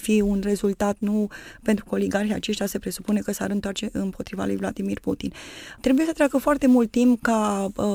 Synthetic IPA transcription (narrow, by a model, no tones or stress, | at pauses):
fiunre̞zult̪at̪nupe̞nt̪ɾukoliɡarxia̰t͡ʃe̞sʃt̪jasepɾe̞su̥pune̞kəsaɾɨnt̪oart͡ʃe̞ʔɨmpo̞t̪ɾiva̰lujvlad̪imirput̪int̪ɾe̞bujesət̪ɾʲeakəfoart̪e̞mult̪ːimpka